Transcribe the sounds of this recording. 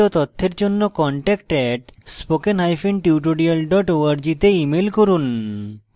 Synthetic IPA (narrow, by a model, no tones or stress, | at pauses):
ot̪ot̪ʰːeɾd͡ʑonːokɔɳʈɛkʈɛʈspokenɦajfenʈiuʈ̬oɾialɖɔʈoaɾd͡ʑit̪eimelkoɾun